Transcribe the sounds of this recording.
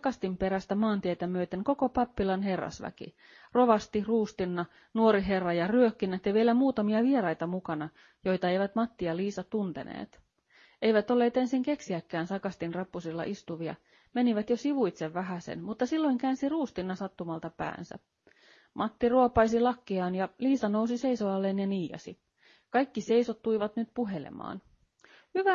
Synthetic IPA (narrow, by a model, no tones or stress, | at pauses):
sɑkɑst̪impe̞ɾæst̪æmɑːnt̪iet̪æmyøt̪eŋko̞ko̞pɑpːilɑnɦe̞rːɑ̰sʋæ̰kḭ | ro̞ʋɑst̪iruːst̪inːɑ | nuoɾiɦe̞rːɑjɑryøkːinːæt̪jɑʋielæmuːt̪ɑmiɑʋieɾɑjt̪ɑmukɑnɑ | jo̞jt̪ɑe̞jʋæt̪mɑt̪ːiɑliːsɑt̪unt̪e̞̰nḛːt̪ | e̞jʋæt̪olːe̞ːt̪e̞nsiŋke̞ksiækːæːnsɑkɑst̪inrɑpːusilːɑ̰ʔist̪uʋiɑ̰ | me̞niʋæt̪josiʋujt̪seʋʋæɦæse̞̰nmut̪ːɑsilːo̞jŋkæːnsiruːst̪inːɑsɑt̪ːumɑlt̪ɑpæ̰ːnsæ̰ | mʔɑt̪ːiruopɑjsilɑkːiɑːnjɑliːsɑnowsise̞jsoɑlːeːnjɑniːjɑ̰si | kɑjkːise̞jsot̪ːujʋɑt̪nyt̪puɦe̞lḛmɑ̰ːn | hyʋæ